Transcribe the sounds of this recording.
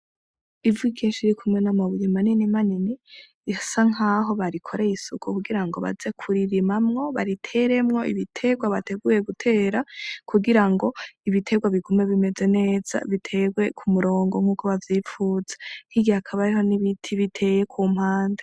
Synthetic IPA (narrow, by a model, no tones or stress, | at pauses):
ivikʰiːnʃiɾikʰumŋe̞namaβuɾimaninimanini | asaŋaːɦo̞βaɾikʰoɾeisukʰukuɡiɾaŋɡo̞βa̰ze̞kʰuɾiɾimamŋo̞βaɾitʰe̞ɾe̞mŋo̞iβitʰe̞ɡwaβate̞ɡuje̞ɡutʰe̞ːɾakʰuɡiɾaŋɡo̞iβitʰe̞ɡwaβiɡume̞βime̞ze̞ne̞ːz̥a̰βitʰe̞ɡwe̞kʰumuɾo̞ːŋɡoŋ̥huːkoβavjifuːzen̥iɡihakʰaβaɾiɦo̞niβitʰiβitʰe̞jekʰuːm̥haːnde